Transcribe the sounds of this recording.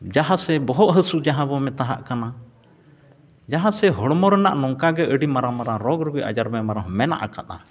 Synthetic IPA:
d͡ʒaɦãsɛbɔɦɔʔɦəsud͡ʒaɦãbɔmɛt̪aɦa̰ʔkana | d͡ʒaɦãsɛɦɔɽmɔɾɛna̰ʔnɔŋkaɡɛʔəɖimaɾamaɾaɾɔɡɾuɡujʔa̰d͡ʒaɾmɛmaɾaɦmɛna̰ʔa̰kat̪a

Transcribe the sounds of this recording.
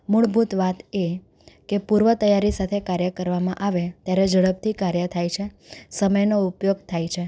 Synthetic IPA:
muɭbʱut̪ʋat̪e | kepuɾʋət̪əjaɾisat̪ʰekaɾjəkəɾʋamãʔaʋet̪jaɾed͡ʒəɭəb̚t̪ʰikaɾjət̪ʰajt͡ʃʰe | səməjnoupjoɡ̚t̪ʰajt͡ʃʰe

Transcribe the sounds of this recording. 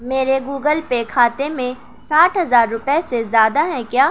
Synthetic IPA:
meːɾeɡuːɡəlpekʰaːt̪emẽ | saːʈʰɦɐzaːɾːʊpɛesezjaːd̪aɦɛ̃kjaː

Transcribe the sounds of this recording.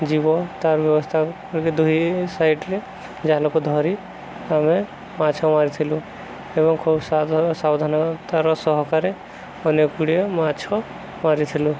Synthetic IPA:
d͡ʒibɔt̪aɾbjɔbɔst̪ʰa | ɾkid̪uɦisaɪʈɾe | d͡ʒaɦlokud̪ʱɔɾi | ame | mat͡ʃʰɔmaɾit̪ʰilu | ebɔŋkʰubsasawd̪ʱanat̪aɾɔsɔɦɔkaɾe | ɔnekuɽiemat͡ʃʰɔ | maɾit̪ʰilu

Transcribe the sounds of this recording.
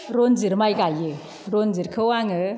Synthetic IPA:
ɾɔnzɯɾmajɡajɯ | ɾɔnzɯɾkʰɯwaŋɯ

